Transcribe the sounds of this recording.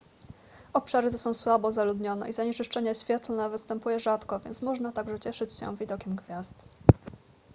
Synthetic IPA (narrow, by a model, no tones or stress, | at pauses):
ɔpʂaɾɘt̪ɛsɔ̃w̃swabɔzalud̪ɲɔnɛ̰izaɲɛt͡ʂɘʂt͡ʂɛɲɛɕfʲjɛt̪lnɛvɘst̪ɛmpujɛʐat̪kɔvʲjɛnt̪smɔʐnat̪aɡʐɛt͡ɕɛʂɘt͡ɕɕɛ̰̃vʲid̪ɔkʲɛmɡvʲjaz̥t̪